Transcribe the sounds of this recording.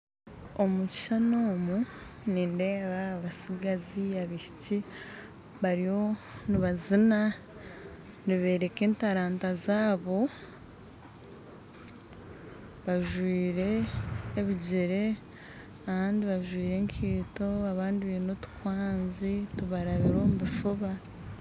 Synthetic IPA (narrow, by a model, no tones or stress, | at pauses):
omuci̥ʃanoːmu | niːnde̞ːβaːβasiɡaziaβihici | βaɾijo̞niβazina | niβe̞ːɾe̞ke̞ːntaɾaːntazaːβo̞ | βaʒwiːɾe̞ː | βiɟiɾe̞ | aβaːndiβaʒwiːɾe̞ŋkʰiːto̞aβaːndiβiːnutu̥kwaːnzituβaɾaβiɾoːmuβifuβa